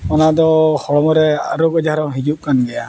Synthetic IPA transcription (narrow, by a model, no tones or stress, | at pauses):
ɔnad̪ɔhɔɽɔmɔɾɛa̰ɾɔɡɔd͡ʒaɾɔɦid͡ʒuʔ̚kanɡɛja̰